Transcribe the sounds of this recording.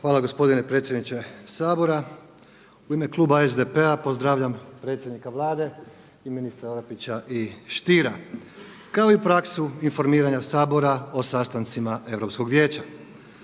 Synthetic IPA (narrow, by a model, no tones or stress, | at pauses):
xʋaːlaɡo̞spo̞d̪inepɾe̞ːt̪sʲjed̪nit͡ɕe̞saːbo̞ɾa | uime̞klˠuːbaezd̪e̞pe̞apo̞zd̪ɾaːʋʎampɾe̞t̪sʲjed̪nikaʋlˠaːd̪e̞ | iminist̪ɾaoɾepit͡ɕaʔiʃt̪iɾa | kao̞ipɾaksuinfo̞ɾmiːɾaɲasaːbo̞ɾao̞sast̪ant̪simae̞ʋɾo̞psko̞ɡʋje̞ːt͡ɕa